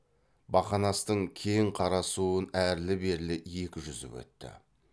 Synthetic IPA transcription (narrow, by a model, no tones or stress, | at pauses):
bɑχɑnɑst̪əɴkʲʰe̞jɴqʰɑɾɑsuənæɾlɪbe̞ɾlɪje̞kʲɪʒʏzɪ̰pwɵ̰t̪ːɪ̰